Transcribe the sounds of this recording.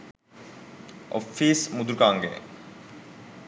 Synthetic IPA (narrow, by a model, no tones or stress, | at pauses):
o̰fiːsmud̪uɾkaːŋɡḛː